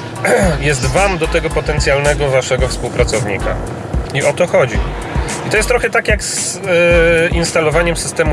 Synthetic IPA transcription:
jɛst̪vamd̪ɔt̪ɛɡɔpɔt̪ɛnt̪sʲjalnɛɡɔvaʂɛɡɔfspuwpɾat̪sɔvɲḭka̰ | iʔɔt̪ɔxɔd͡ʑi | it̪ɔjɛst̪ːɾɔxɛt̪akjaks | inst̪alɔvaɲɛmsɘst̪ɛmu

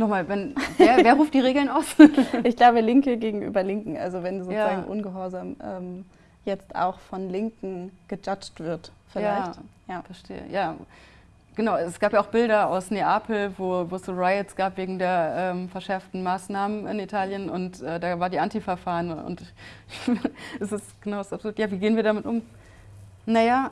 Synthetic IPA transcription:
nɔχmaːlvɛnveːɐveːɐʁuːft̚d̥iːʁ̞eːɡl̩naʊsʔɪçɡ̥laʊbəlɪŋkəɡeːɡŋ̩ʔy̰ːbɐlɪŋkŋ̩ʔa̰lzovɛnzoːzaːɡŋ̩ʔʊ̰nɡəɦɔɐzaːmʔɛ̰ːm | jɛt͡stʔa̰ʊxfɔnlɪŋkŋ̩ɡ̥əd͡ʒat͡ʃtv̥ɪɐtfɪlaɪçjaːfɛɐʃtḛːə̰jaː | ɡ̥ənaʊɛsɡ̥aːpjaʔaʊxb̥ɪldɐaʊsneːʔaːpʰl̩voːvoːsuʁaɪətsɡ̥aːpv̥eːɡŋ̩deːɐʔɛːmfɛɐʃɛɐftn̩maːsnaːmənɪ̰nitʰaːljənʊntʔɛːdaːvaːɐdiːʔantifɛɐfaːʁənʊ̰ntɪ | ɛsɪstɡ̥ənaʊsapzoːtjaːviːɡeːənviːɐdaːmɪtʔʊm | najaː

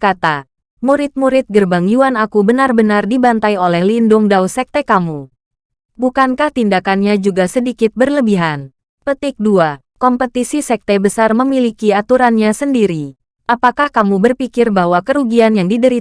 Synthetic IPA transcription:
kat̪a | muɾɪt̪̚muɾɪt̪̚ɡərbaŋjuanakubənarbənardibant̪ajolɛhlindʊŋdawsɛk̚t̪ekamu | bukankaht̪indakanɲad͡ʒuɡasədikɪt̪̚bərləbiɦan | pət̪ɪk̚dua | kɔmpət̪isisɛk̚t̪ɛbəsarməmilikiat̪uɾanɲasəndiɾi | ʔapakahkamubərpikɪrbaɦwakəɾuɡianjaŋdidəɾi

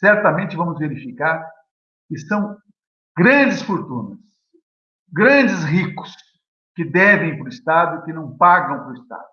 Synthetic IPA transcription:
sɛɾt̪ɐmẽnt͡ʃɪvɐ̃mʊzveɾifikaɾ | kɪsɐ̃w̃ | ɡɾɐ̃d͡ʒɪsfoɾt̪ũnɐs | ɡɾɐ̃d͡ʒɪzɦikʊ̥s | kɪd̪ɛvẽj̃pɾʊist̪ad̪ʊɪkɪnɐ̃w̃paɡɐ̃w̃pɾʊist̪a̰d̪ʊ

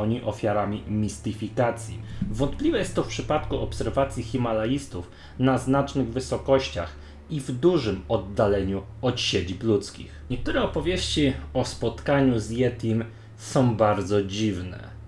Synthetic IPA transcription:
ɔɲiʔɔfʲjaɾamʲimʲist̪ɘfʲikat̪sʲjḭvɔnt̪̚plʲivɛjɛst̪ːɔfpʂɘpat̪kuʔɔpsɛɾvat̪sʲjixʲimalajist̪uf | naznat͡ʂnɘɣvɘsɔkɔɕt͡ɕa̰x | ivd̪uʐɘmɔd̪ːalɛɲu | ɔt̪ɕed͡ʑiplut̪skʲḭxɲɛk̚t̪uɾɛɔpɔvʲjeɕt͡ɕiɔspɔt̪kaɲuzjɛt̪im | sɔ̃w̃baɾd̪zɔd͡ʑivnɛ̰

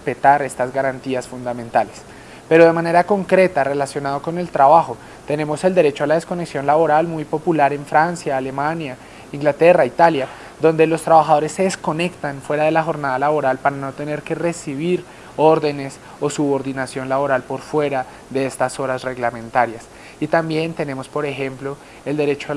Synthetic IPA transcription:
spe̞t̪aɾe̞st̪azɡaɾant̪iasfund̪amẽ̞nt̪ales | pe̞ɾo̞ðe̞mane̞ɾako̞ŋkɾe̞t̪are̞lasjo̞nað̞o̞ko̞ne̞lt̪ɾaβaxo̞ | t̪e̞ne̞mo̞se̞ld̪e̞ɾet͡ʃo̞alað̞esko̞ne̞ksjo̞nlaβo̞ɾalmujpo̞pulaɾe̞ɱfɾansjaːle̞manja | iŋɡlat̪e̞rait̪alja | d̪o̞nd̪e̞lo̞st̪ɾaβaxaðo̞ɾe̞sːe̞ðesko̞ne̞kt̪anfweɾaðe̞laxo̞ɾnaðalaβo̞ɾalpaɾano̞t̪e̞ne̞ɾke̞re̞siβ̞iɾ | o̞ɾðe̞ne̞s | o̞suβo̞ɾðinasjo̞nlaβo̞ɾalpo̞ɾfwe̞ɾa | ðe̞est̪aso̞ɾasre̞ɣlamẽ̞nt̪aɾjas | it̪ambje̞nt̪e̞ne̞mo̞spo̞ɾe̞xe̞mplo̞ | e̞ld̪e̞ɾe̞t͡ʃoa

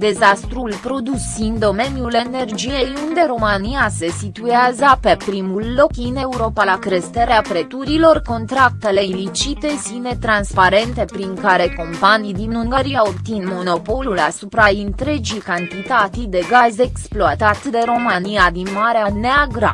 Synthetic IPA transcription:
d̪e̞zast̪ɾulpɾo̞d̪usind̪o̞me̞njule̞ne̞rd͡ʒije̞jund̪e̞ɾo̞maniase̞sit̪ueazəpe̞pɾimulːo̞kɨne̞uɾo̞palakɾest̪eɾeapɾe̞t̪uɾilo̞rko̞nt̪ɾak̚t̪e̞le̞ilit͡ʃit̪e̞sine̞t̪ɾanspaɾe̞nt̪e̞pɾiŋkaɾe̞ko̞mpanijd̪inuŋɡaɾiaopt̪inmo̞no̞po̞lulasupɾaɨnt̪ɾe̞d͡ʒijkant̪it̪at̪id̪e̞ɡaze̞ksploat̪at̪d̪e̞ɾo̞maniad̪inmaɾeaneaɡɾa̰

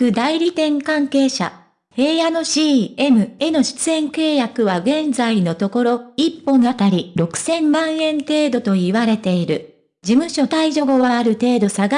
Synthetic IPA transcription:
kɯ̟d̪aiɾʲit̪ẽ̞ŋkãŋke̞ːɕa̰ | he̞ːjanoɕiːemɯ̟e̞no̞ɕi̥t͡sɨẽ̞ŋke̞ːjakɯ̟βaɡẽ̞nd͡zaino̞t̪o̞ko̞ɾo̞ipːõ̞nat̪aɾʲiɾo̞kɯ̟̥sẽ̞mːãɰ̃ẽ̞nt̪e̞ːd̪o̞t̪o̞iβaɾe̞t̪e̞iɾɯ̟ | d͡ʑimɯ̟ɕo̞t̪aiʑo̞ɡoβaaɾɯ̟t̪e̞ːd̪o̞saɡa

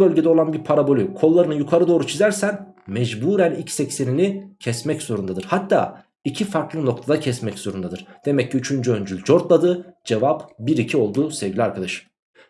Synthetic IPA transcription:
bø̞lʲɟed̪ɛo̞lˠanbiɾpʰaɾabo̞lʲykʰo̞lˠːaɾɯnɯjukʰaɾɯd̪o̞ːɾut͡ʃʰizæɾsænmɛd͡ʒbuːɾænicsɛcse̞ninicʰɛsmɛcz̥o̞ɾund̪ad̪ɯɾ̥hat̪ʰːa̰ː | icʰifaɾklˠɯno̞k̚t̪ʰad̪acʰɛsmɛcz̥o̞ɾund̪ad̪ɯɾ̥d̪̥e̞mɛcʰːiyt͡ʃʰynd͡ʒyø̞nd͡ʒylʲd͡ʒo̞ɾt̪lˠad̪ɯd͡ʒe̞vapbiɾicʰio̞lˠd̪uːsɛvɟilʲiaɾkʰad̪aʃɯ̥m

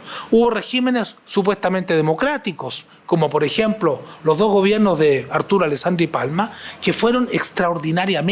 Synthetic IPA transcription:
uβo̞reximenesːup̬west̪ament̪eð̞emo̞kɾat̪ikos | komopoɾexe̞mplolozðo̞zɣo̞βjeɾnozðeaɾt̪uɾaleksand̪ɾipalmakefweɾonekst̪ɾaoɾðinaɾjam

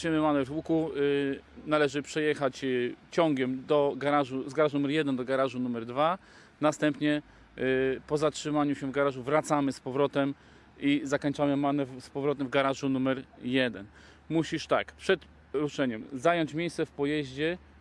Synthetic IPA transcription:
ɲɘmɘmanɛvwuku | nalɛʐɘpʂɛjɛxat͡ɕt͡ɕɔŋɡʲɛmd̪ɔɡaɾaʐuzɡaɾaʐnumɛɾjɛd̪ɛnd̪ɔɡaɾaʐunumɛɾd̪va | nast̪ɛmpɲɛ | pɔzatʂɘmaɲuɕɛvɡaɾaʐuvɾat̪samɘspɔvɾɔt̪ɛm | izakɔɲt͡ʂamɘmanɛspɔvɾɔt̪ɛmvɡaɾaʐunumɛɾjɛd̪ɛn | muɕiʂt̪a̰kpʂɛt̪ | ɾuʂɛɲɛmzajɔɲt͡ɕmʲjejssɛfpɔjɛʑd͡ʑɛ

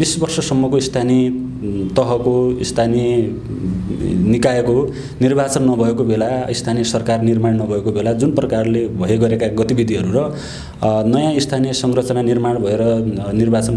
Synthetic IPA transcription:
bisbʌrsʌsʌmːʌkoist̪ʰane | t̪ʌɦʌkoist̪ʰani | nikaeko | nirbʱat͡sʌnːʌbʱʌekobelaist̪ʰaniesʌrkarnirmaɳnʌbʱʌekobelad͡zunprʌkarlebʱʌɦeɡʌɾekaɡʌt̪ibid̪ʱiɦʌɾuɾʌ | nʌjãist̪ʰanisʌŋrʌt͡sʌnanirmaɽbʱʌeɾʌnirbat͡sʌn

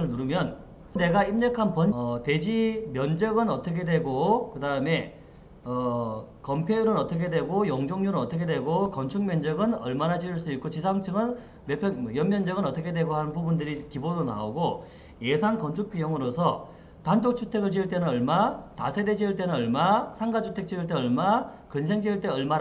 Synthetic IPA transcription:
ɯɭnuɾɯmjʌn | ne̞ɡaimɲʌkʰanpʌnʌte̞d͡ʑimjʌnd͡ʑʌɡɯnʌt͈ʌkʰe̞dwe̞ɡokɯdaɯme̞ | ʌ | kʌmpʰejuɾɯnʌt͈ʌkʰe̞dwe̞ɡojʌŋd͡ʑoŋɲuɾɯnʌt͈ʌkʰe̞dwe̞ɡokʌnt͡ɕʰuŋmjʌnd͡ʑʌɡɯnʌ̰ɭmanat͡ɕiɯɭs͈uik͈ot͡ɕisʰaŋt͡ɕʰɯɡɯn | mepʰjʌjʌmːjʌnd͡ʑʌɡɯnʌt͈ʌkʰe̞dwe̞ɡoɦanɯnpubundɯɾikibodona̰oɡo | je̞sʰankʌnt͡ɕʰuk̚p͈ʰijoŋɯɾosʰʌ | tandok̚t͡ɕʰutʰe̞ɡɯɭt͡ɕiɯɭt͈e̞nɯnʌɭmatasʰe̞de̞d͡ʑiɯɭt͈e̞nɯnʌɭmasʰaŋɡat͡ɕʰutʰe̞k̚t͡ɕ͈iɯɭt̬͈e̞ʌɭma | kɯns̬ʰe̞ŋd͡ʑiɭt͈e̞ʌɭma

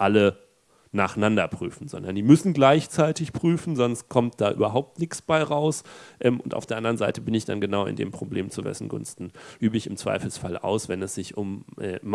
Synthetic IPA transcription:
ʔalə | naːχnandɐpʁ̥y̰ːfn̩zɔ̰ndɐndiːmʏsn̩ɡlaɪçt͡saɪtɪçpʁ̥yːfn̩zɔnst̚kʰɔmt̚d̥aːʔy̰ːbɐɦaʊp̚tnɪksb̥aɪʁaʊsʔɛːmʊntʔa̰ʊfd̥eːɐʔandɐʁənzaɪtəbɪnɪçd̥anɡənaʊɪ̰ndḛːmpʁ̥oblḛːmt͡suvɛ̰sn̩ɡʊ̰nstn̩ʔyːbəɪçɪmt͡sv̥a̰ɪfl̩sfalʔa̰ʊsv̥ɛnɛsz̥ɪçʔʊmʔɛ̰ːm

